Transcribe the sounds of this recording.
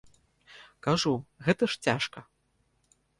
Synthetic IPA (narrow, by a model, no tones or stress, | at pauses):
kaʐuɣɛt̪ɐʂt͡sʲaʂkɐ